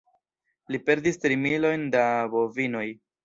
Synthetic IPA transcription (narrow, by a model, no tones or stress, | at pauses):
lipe̞ɾdistɾimilo̞jndabo̞vino̞j